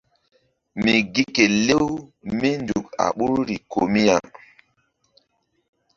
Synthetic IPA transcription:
mi˨ɡi˦ke˨le˦wmi˦ndu˨ka̰˨ɓu˦ɾɾi˨kʰo˨mi˦ja̰˨

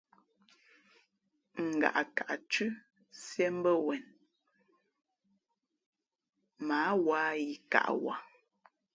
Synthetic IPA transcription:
ŋ̩˨ɡa̰˨ʔa˨ka˨ʔt͡ʃʉ˦ | sjɛ˦m̩˦bə˦wɛ˨n | maː˨˦wa˦i˨ka̰˦˨ʔwa̰˨

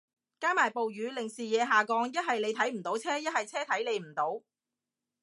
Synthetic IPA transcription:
kaː˥maː˨˩jpo˨wjyː˨˧˥lɪ˨˩ŋsiː˨jɛː˨˧ɦaː˨˩kɔː˨˧ŋjɐ˥t̚hɐ˨jle˨˧jt̪ʰɐ˨˥jm̩˨˩t̪o˨˥wt͡sʰɛː˥jɐ˥t̚hɐ˨jt͡sʰɛː˥t̪ʰɐ˨˥jle˨˧jm̩˨˩t̪o˨˥w

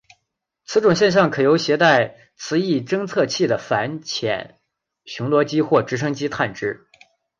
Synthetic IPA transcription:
t͡sʰɹ̩˧˥ʈ͡ʂʊ˨˩ŋɕjɛ˥˧nɕ̬jɑ˥˩ŋkʰɤ˨˩jo˧˥ʊɕjɛ˧˥t̪a˥˩ɪ | t͡sʰɹ̩˧˥i˥˩ʈ͡ʂɤ˥ŋt͡sʰɤ˥˧t͡ɕʰi˥˩d̪ə˩fa˧˥nt͡ɕʰjɛ̰˨˩˦n | ɕʊ˧˥ŋlwɔ˧˥t͡ɕi˥xwɔ˥˩ʈ͡ʂɻ̩˧˥ʂ̬ɤ˥ŋt͡ɕi˥t̪ʰa˥˩nʈ͡ʂɻ̩˥

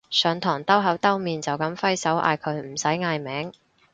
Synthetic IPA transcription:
sœː˨˧ŋt̪ʰɔː˨˩ŋt̪ɐ˥wɦɐ˨˥wt̪ɐ˥wmiː˨nt͡sɐ˨wkɐ˨˥mfɐ˥jsɐ˨˥wʔa̰ː˧jkʰɵ˨˧˥ɥm̩˨˩sɐ˨˥jŋaː˧jmɛː˨˥ŋ

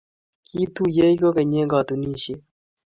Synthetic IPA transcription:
ki˦t̪u˦je˦i˦ko˦ke˨ɲe˦ɡɔ˨t̪u˨ni˦ʃe˦

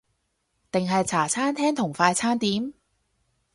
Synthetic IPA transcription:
t̪ɪ˨ŋɦɐ˨jt͡sʰaː˨˩t͡sʰaː˥nt̪ʰɛː˥ŋt̪ʰʊ˨˩ŋfaː˧jt͡sʰaː˥nt̪iː˨˥m

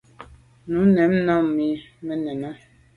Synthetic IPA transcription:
nu˨˦nɛ˨˦mna˦˨mmi˨mə˦nɛ˨na˦

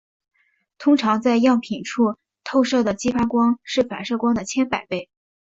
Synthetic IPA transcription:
t̪ʰʊ˥ŋʈ͡ʂʰɑ˧˥ŋt͡sa˥˧ɪjɑ˥˩ŋpʰi˨˩nʈ͡ʂʰu˥˧ | t̪ʰo˥˧ʊʂɤ˥˩d̪ə˩t͡ɕi˥fa˥kwɑ˥ŋʂɻ̩˥˩fa˨˩nʂɤ˥˩kwɑ˥ŋd̪ə˨t͡ɕʰjɛ˥npa˨˩ɪpe˥˩ɪ

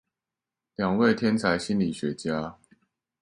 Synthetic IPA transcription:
ljɑ˨˩ŋwe˥˨ɪt̪ʰjɛ˦nt͡sʰa˨˦ɪɕi˦nli˨˩ɕɥɛ˨˦t͡ɕja˦

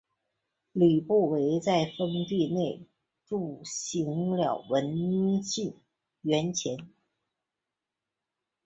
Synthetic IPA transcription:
ly˨˩pu˥˩we˧˥ɪt͡sa˥˩ɪfə˥ŋt̪i˥˧ne˥˩ɪ | ʈ͡ʂu˥˩ɕi˧˥ŋljɑ˨˩ʊwə˧˥nɕi˥˩n | ɥɛ˧˥nt͡ɕʰjɛ˧˥n

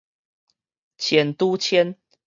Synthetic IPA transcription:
t͡ɕʰjɛ˨˩nt̪u˦t͡ɕʰjɛ˦n

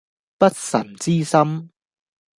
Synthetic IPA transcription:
pɐ˥t̚sɐ˨˩nt͡siː˥sɐ˥m

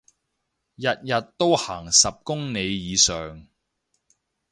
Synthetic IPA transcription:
jɐ˨t̚jɐ˨t̚t̪ːo˥whaː˨˩ŋsɐ˨p̚kʊ˥ŋne˨˧jjiː˨˧sœː˨˩ŋ

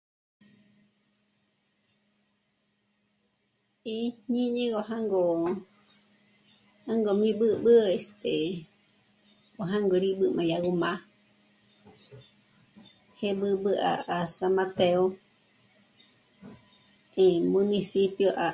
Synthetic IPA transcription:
i˧ɲĩ˦ɲẽ˦ɡo˧ɦaŋɡo˨ | a˦ŋɡo˨mĩ˧bɨ˦bɨ˦est̪ʰe˨ | o˨ɦã˦ŋɡo˧ɾi˧ɓɨ˧mã˨jaɡu˧mã˧ | hebɨ˧bɨ˧ʔa̰˨ʔa˨sama˧t̪eo | emũ˧nĩ˧sipjoʔa˨

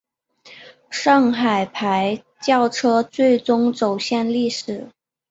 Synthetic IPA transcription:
ʂɑ˥˩ŋxa˨˩ɪpʰa˧˥ɪ | t͡ɕjɑ˥˩ʊʈ͡ʂʰɤ˥t͡swe˥˩ɪt͡sʊ˥ŋt͡so˨˩ʊɕjɛ˥˧nli˥˩ʂɻ̩˨˩˦

